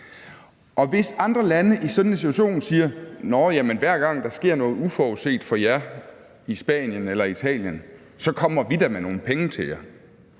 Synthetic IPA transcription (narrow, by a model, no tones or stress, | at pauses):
ʔɒ̽ʋe̝sɑ̈nd̥ʁɐlænəʔisɒ̽n̥nsit͡sʰu̥æɕo̝̰ːnsiːɐnɒjæmenʋæɐ̰ɡ̥ɑ̈ŋ̰d̥ɑ̈sɡ̥e̝ɐ̰nɔ̽ːð̞̩ˠufɒːose̝̰ːd̥fɒ̽jæɐ | isb̥ɛ̰ːnjənelɐit͡sʰɛ̰ːljən | sɒ̽kʰɒ̽m̰ɐʋidæmeno̝ːn̩pʰeŋət͡sʰe̝ljæ